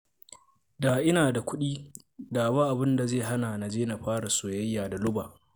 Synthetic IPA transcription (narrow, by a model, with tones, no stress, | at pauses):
daː˨ʔɪ˦naː˨da˨kʷʊ˦ɗiː˦ | daː˨ba˦ʔa˨bɪ˦nda˨zeː˦˨ɦa˦na˨na˨d͡ʒeː˦na˨ɸaː˦ɽa˨soː˨jɐ˦jːaː˨da˨lʊ˦baː˨ʔ